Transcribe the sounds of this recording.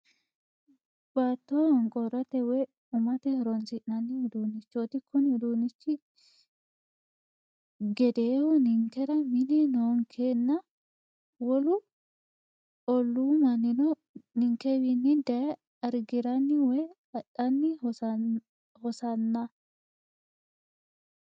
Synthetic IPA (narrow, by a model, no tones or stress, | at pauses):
baːt̪ːohɔŋkʼɔɾɐt̪ɛwɛ | ʊmɐt̪ɛɾɔnsɪnːɐnːɪhd̪uːnːɪt͡ʃːot̪ɪkʰːɔnd̪uːnɪt͡ʃːɪ | ɡɛd̪eːhʊnɪŋkɛɾɐmɪnɛnoːŋkʰeːnːɐ | wɔlʊ | ɔlːumɐnːɪnɔ | nɪŋkɛβɪnːɪd̪ɐj | ɐɾɡɪɾɐnːɪwɛj | ɐɗɐnːɪ | hɔsɐnːɐ